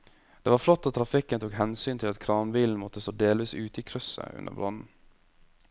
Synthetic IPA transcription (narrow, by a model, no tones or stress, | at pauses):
d̪̥eːʋɑːɾflɔt̪ːoːt̪ʰɾɑfɪkːənt̪ʰuːkhɛnsyːnt̪ʰɪlɑt̪kʰɾɑːmbiːln̩mɔt̪ːəsoːd̪eːlʋiːsʉːt̪əiːkʰɾʉsə̰ʉ̰nə̰ɾbɾɑ̰nn̩